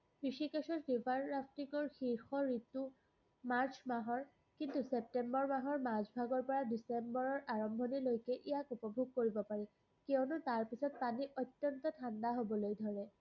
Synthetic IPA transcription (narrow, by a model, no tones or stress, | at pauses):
pɹisikɛsɔtdibʱanːapʰtikɔɹxiɹxɔɹitu | maɹt͡ʃʰmaɦɔɹ | kintusep̚tɛmbɔɹmaɦɔɹmazbʱaɡɔɹpɔɹadisembɔɹɔɹʔaɹɔmbʱɔnilojkɛʔijakupɔbʱuɡ̚koɹibɔpaɹɛ | kɛʊnʊtaɹpisɔt̚paniʔɔtjɔntɔtʰandaɦobɔlojdʱɔɹɛ